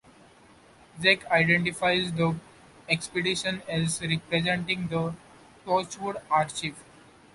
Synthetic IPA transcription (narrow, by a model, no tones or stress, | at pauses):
zekʰaɪɖẽɳʈifaɪzd̪ə | ekspeɖiʃə̃nɛzɾɪpɾezẽɳʈɪ̃ŋɡd̪ə | ʈoːt͡ʃʋʊɖaːɾt͡ʃiʋ